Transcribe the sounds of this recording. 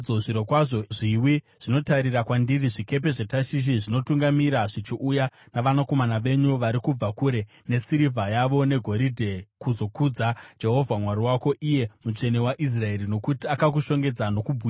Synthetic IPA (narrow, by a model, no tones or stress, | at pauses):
oʐiɾokwaʐoʐiwi | ʐ̥ino̞taɾirakwandiriʐike̞p̬e̞ʐe̞taʃiʃ̬iʐino̞tuŋɡamiɾaʐit͡ʃiʔuja | naʋanako̞manaʋe̞ɲuʋaɾikub͡vakuɾe̞ | ne̞siɾivʱajaʋo̞ne̞ɡʱo̞ɾidʱe̞kuzo̞kud͡zad͡ʒe̞ɦo̞vʱamwaɾiwako̞ʔije̞mut͡ʃe̞ne̞waʔis̬rae̞ɾino̞kutiakak̬uʃo̞ŋɡe̞d͡zano̞kubʱu